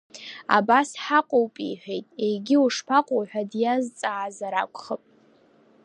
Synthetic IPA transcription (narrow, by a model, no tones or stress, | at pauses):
a̰basħaqʷʼowpʼḭjħʷᶣejtʼejɡʲɪuʂpʰaqʷʼowħʷᶣadjazt͡sʼaːzaɾakʷʰʼχəpʼ